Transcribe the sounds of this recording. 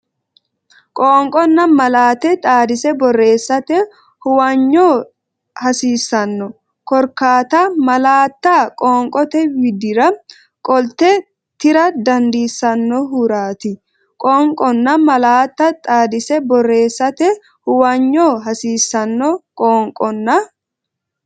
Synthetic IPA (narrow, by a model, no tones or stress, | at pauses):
kʼoːŋkʼɔnːɐmɐlaːt̪ɛt̪ʼaːd̪ɪsɛbɔrːe̞ːsːɐt̪ɛ | hʊwɐɲːoː | hɐsiːsːɐnːɔ | kɔɾkaːt̪ɐmɐlaːt̪ːakʼoːŋkʼɔt̪ɛwɪd̪ɪɾɐ | kʼɔlt̪ɛ | t̪ɪɾɐd̪ɐnd̪iːsːɐnːɔɦʊɾaːt̪ɪ | kʼɔŋkʼɔnːɐmɐlaːt̪ːɐt̪ʼaːd̪ɪsɛbɔrːe̞ːsːɐt̪ɛ | hʊwɐɲːoːɦɐsiːsːɐnːɔkʼoːŋkʼɔnːɐ